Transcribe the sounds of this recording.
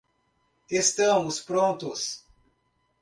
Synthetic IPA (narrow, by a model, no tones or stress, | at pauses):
est̪ɐ̃mʊspɾõnt̪ʊs